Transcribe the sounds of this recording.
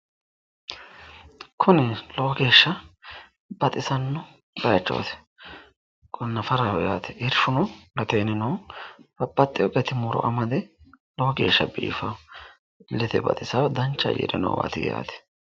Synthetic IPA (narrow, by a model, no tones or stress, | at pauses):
kʰʊnɪloɡe̞ːʃːɐ | bɐt̪ʼɪsɐnːʊ | bɐjɐt͡ʃːo̰ːt̪ɛ̥ | kʼɔnːɐfɐɾawɔjaːt̪ɛ̥ɪɾʃʊnɔlɐt̪eːnɪnoːb̥ɐpːɐt̪ʼːɪjɔkʼɛt̪ɪmʊɾɔ̰ʔɐmɐd̪ɛ | lɔɡe̞ːʃːɐbḭːfɐ | lɛt̪ɛbɐ̰t̪ʼɪsɐwd̪ɐnt͡ʃːɐ̰jḭɾɛno̰wa̰ːt̪ɪɡja̰ːt̪ɛ̥